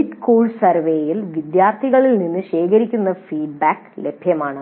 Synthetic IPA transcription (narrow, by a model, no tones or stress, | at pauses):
iʈkoːɭsɐrʋeːjilʋid̪jaːrt̪ʰiɣɐɭilninːɨɕe̞ːkɐɾikʲːunːɐfiːɖ̚baːkle̞bʱjɐmaːɳɨ